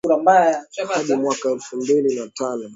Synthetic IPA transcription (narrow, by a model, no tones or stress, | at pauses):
uɾambajahaɗimwakaɛlfumbilinatanɔ